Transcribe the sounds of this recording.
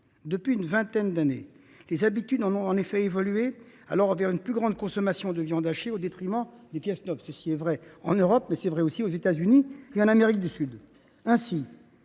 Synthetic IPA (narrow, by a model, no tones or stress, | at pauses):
d̪əpɥiynvɛ̃t̪ɛnd̪anḛ | lezabit̪yd̪ɑ̃nɔ̃ɑ̃nefɛevɔlye | a̰lɔʁvɛʁynplyɡʁɑ̃d̪kɔ̃sɔmasjɔ̃d̪əvjɑ̃d̪aʃeod̪et̪χimɑ̃d̪epjɛsnɔbsəsiɛvʁɛɑ̰̃nøʁɔpmɛsɛvʁɛosiozet̪azynieɑ̃nameʁik̚d̪ysyd̪ | ɛ̃si